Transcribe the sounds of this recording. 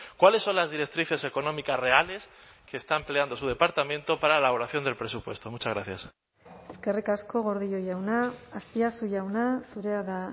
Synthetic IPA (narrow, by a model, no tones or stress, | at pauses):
kwale̞sːo̞nlazðiɾe̞k̚t̪ɾiθe̞se̞ko̞nõ̞mikasre̞ale̞s | ke̞ːst̪ampele̞and̪o̞suð̞e̞paɾt̪amẽnt̪o̞paɾaelaβ̞oɾaθjo̞nd̪elpɾe̞supwe̞st̪o̞mut͡ʃazɣɾaθjas | eske̞rikasko̞ɣ̞o̞ɾð̞io̞jawnaːspiasuʝawnasuɾe̞aða